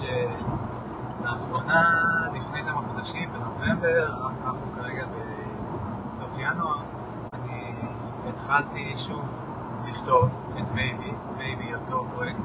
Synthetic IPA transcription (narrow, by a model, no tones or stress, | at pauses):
ʃe | baːχʁo̞nalifne̞jkamaχod̪aʃimbeno̞ve̞mbe̞ʁanananaχnukaʁeɡabe̞ | sofjanua | aniː | t̪χaltiʃuv | liχt̪o̞v | et̪bejbi | bejbijot̪o̞pʁojekt